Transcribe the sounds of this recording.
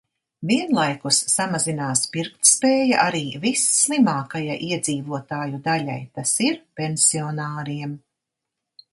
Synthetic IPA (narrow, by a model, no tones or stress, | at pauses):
viɛnlˠajkusːamazinaːspiɾkt̪spɛːja̰ʔaɾiːvisːlˠimaːkajaʔiɛd̪ziːvuɔt̪aːjud̪alʲa̰jt̪asiɾpʲensiɔnaːɾiɛm